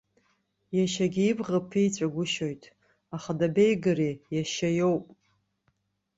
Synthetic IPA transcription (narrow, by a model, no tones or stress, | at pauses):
jaʃaɡʲiibʁapʰijt͡sʷʼaɡʷʊʃo̞jtʼ | aχadabejɡɨɾijaʃajo̞wpʼ